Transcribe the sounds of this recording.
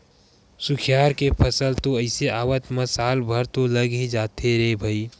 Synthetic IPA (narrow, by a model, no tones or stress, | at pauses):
sʊkʰjaːɾkepʰəsəlt̪oəɪseʔaːʋət̪məsaːlbʱəɾt̪oləɡid͡ʒaːt̪eɾebʱəi